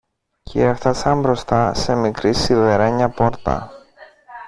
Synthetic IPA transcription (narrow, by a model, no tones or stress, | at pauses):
cʰeeft̪ɐsɐmbɾo̞st̪ɐse̞mikɾisiðeɾeɲɐpo̞ɾt̪ɐ̰